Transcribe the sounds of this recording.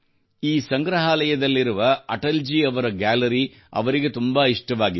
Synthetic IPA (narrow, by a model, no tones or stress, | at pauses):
iːsɐŋɡɾɐɦaːlɐjɐd̪ɐlːiɾuʋɐɐʈɐld͡ʒiːɐʋɐɾɐɡaːlɐɾi | ɐ̰ʋɐɾiɡet̪umbaiʂʈɐʋaːɡi